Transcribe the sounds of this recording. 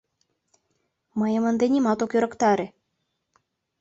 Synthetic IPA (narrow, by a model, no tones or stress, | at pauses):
məjə̆mə̆nd̪enimɑt̪okjøɾɤ̆kt̪ɑɾe